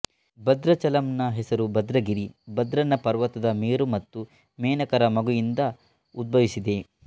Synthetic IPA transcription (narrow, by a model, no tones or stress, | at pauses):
bɐd̪ɾɐt͡ʃɐlɐmnɐɦɛsɐɾubɐd̪ɾɐɡiɾibɐd̪ɾɐnːɐpɐɾʋɐt̪ːɐd̪ɐmeːɾumɐt̪ːu | mɛːnɐkɐɾɐmɐɡujind̪ɐ | ud̪̚bʱɐʋisid̪e̞